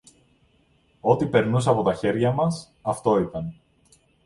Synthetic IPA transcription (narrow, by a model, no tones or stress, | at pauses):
o̞t̪ipe̞ɾnusɐpo̞t̪ɐçe̞ɾʝɐmɐs | ɐft̪o̞it̪ɐn